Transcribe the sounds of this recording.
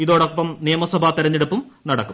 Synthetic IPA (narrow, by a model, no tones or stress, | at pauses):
iðo̞ːɽopːɐmnijɐmɐsɐbʱaːt̪iɾɐɲːeɽupːumnɐɽɐkːum